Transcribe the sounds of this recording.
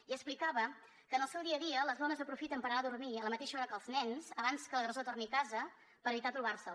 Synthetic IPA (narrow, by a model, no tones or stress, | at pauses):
iəksplikaβə | kənəlˠsɛwðiəðiələzðɔnəzəpɾufit̪əmpəɾənaðurmiələmət̪eʃəɔɾəkəlˠznɛnsəβanskələɣrəzot̪ornikazə | pəɾəβit̪at̪ɾuβarsə